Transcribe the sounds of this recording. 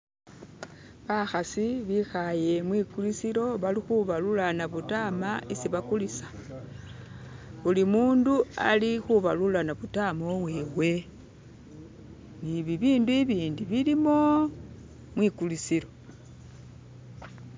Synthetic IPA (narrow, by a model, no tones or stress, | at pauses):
βaxasiβixaje̞mwikulisiɾo̞βalixuβalulanaβutamaisiβakulisḁ | βulimuːndua̰lixuβalulanaβutamo̞βwe̞we̞ | niβiβiːnduiβiːndiβilimo̞ | mwikulisiɾo̞